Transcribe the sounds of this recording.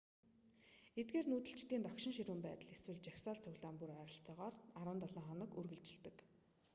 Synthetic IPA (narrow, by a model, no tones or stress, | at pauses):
et̪̚ɡeːrnuːt̪ɘ̆ɬt͡ɕt̪iːnt̪ɔkʃɪ̆ŋʃiɾuːmpæːt̪ə̆ɮeswɘ̆ɮt͡ɕaxsaːɮt͡sʰɵɣʲɮaːmpuɾœːɾə̆ɬt͡sɔːʁɔːraɾwʊ̆ːnt̪aɮaːɴχɔnə̆kurɣɘ̆ɮt͡ɕɪ̆ɮt̪ɘ̆k